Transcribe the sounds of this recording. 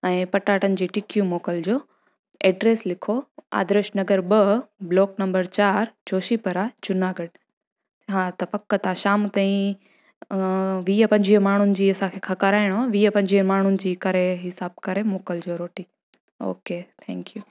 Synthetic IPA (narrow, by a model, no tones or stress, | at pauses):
ɛ̃ːpɐʈaːʈənɪ̆d͡ʑiːʈɪkijũmoːkəld͡ʑoː | ɛːɖɾeːslɪkʰoa̰ːd̪ɾeʃnɐɡəɾbəbloːknɐ̃mbəɾt͡ɕaːɾt͡ɕoːʃipɐɾat͡ɕʊnaːɡəɽ | ɦãt̪ɐpɐkːət̪ɐãʃaːmt̪ãːĩ | ʋiːapɐ̃ɲd͡ʑiə̃maːɳ̤ʊnɪ̆d͡ʑiːɐsãkʰeːkʰɐkaːɾaːɪɽ̃oaʋiːɐpɐ̃ɲd͡ʑiəmaːɳ̤ʊnɪ̆d͡ʑiːkɐɾeɦɪsaːb̚kɐɾemoːkəld͡ʑoːɾoːʈi | o̰ːkeːt̪ʰɛ̃ŋkjuː